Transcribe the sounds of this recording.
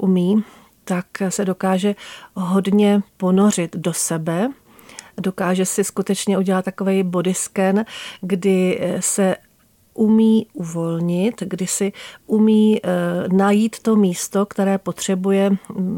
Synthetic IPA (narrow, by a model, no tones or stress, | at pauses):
ʔumiː | t̪aksɛdo̞kaːʒɛɦo̞dɲɛpo̞no̞r̝ɪt̪do̞sɛbɛ | do̞kaːʒɛsɪskut̪ɛt͡ʃɲɛʔuɟɛlat̪ːako̞vɛjbo̞dɪskɛnɡdɪsɛ | ʔumiːʔuvo̞lɲɪt̪ɡdɪsɪʔumiːnajiːt̪ːo̞miːst̪o̞kt̪ɛɾɛːpo̞t̪r̝̥ɛbujɛ